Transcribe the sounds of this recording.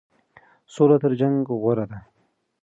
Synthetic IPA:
solat̪əɾd͡ʒaŋɡɣwaɾad̪a

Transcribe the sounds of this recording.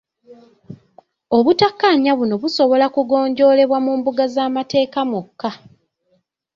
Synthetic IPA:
o̞βutakːaɲaβuno̞βuso̞βo̞lakuɡo̞ːɲɟo̞ːle̞βwamuːmbuɡazaːmate̞ːkamukːa

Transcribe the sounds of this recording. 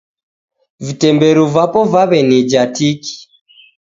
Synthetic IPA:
vitɛmbɛɾuvapɔvaβɛnid͡ʒatiki̥

